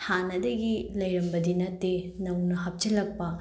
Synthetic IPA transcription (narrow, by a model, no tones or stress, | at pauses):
hanɐdɐɡilɐjɾɐmbɐdinɐtːe | nɐwnɐɦɐp̚t͡ʃɐlɐk̚pɐ